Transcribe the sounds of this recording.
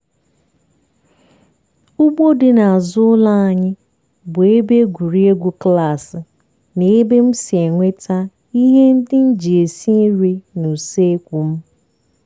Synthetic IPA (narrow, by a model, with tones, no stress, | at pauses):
ʊ˦bo˦dɪ˨na˨a˨zʊ˦ʊ˦la˦a˨ɲɪ˦ | bʊ˨e˦be˦ɡʷu˨ɾi˦e˦ɡʷu˦kla˦˨sɪ˨ | ne˦be˦m̩˦si˨e˨ŋʷe˦tʰa˦ | i˦ɦe˦n̩˦dɪ˦n̩˦d͡ʒi˨e˨si˦i˦ɾe˦nu˨se˦kʷu˨m̩˦